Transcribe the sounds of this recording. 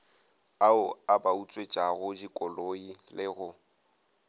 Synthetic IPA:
aʊabaut͡sʼwet͡ʃʼaɣʊd͡ʒikʼɔloilɪɣʊ

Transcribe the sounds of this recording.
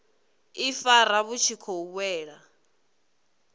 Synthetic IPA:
ifaɾaβut͡ʃʰikʰɔuβwɛːɺa

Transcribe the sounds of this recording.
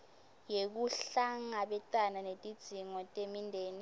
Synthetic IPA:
jek̬uɬaŋaɓɛǀʼananetʼid̥z̥ʱiŋɔtʼemindʱeːni

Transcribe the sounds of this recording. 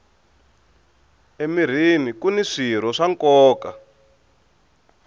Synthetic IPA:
emir̤imikuniʂiɾ̤ɔʂaŋkɔːka̰

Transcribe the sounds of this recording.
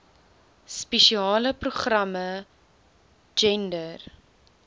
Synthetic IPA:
speʃiɑːləpruχrɐmə | d͡ʒɛndər

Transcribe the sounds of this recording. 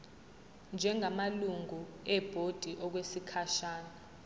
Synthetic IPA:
nd͡ʒʱɛŋʱamaluŋuɛb̥ʱod̥ʱiʔɔk̬wesikʰaʃaːna

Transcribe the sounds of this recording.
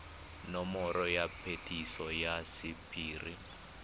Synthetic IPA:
nɔmɔɾɔjapʰetʰisɔjasipʰʼiːrḭ

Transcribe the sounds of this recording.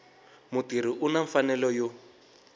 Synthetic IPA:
mutiɾ̤iʔunaɱfanɛlɔjo

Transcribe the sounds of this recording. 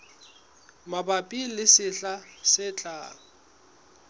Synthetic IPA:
mabapʼilɪsɪɬasɪt͡ɬʼaːʊ

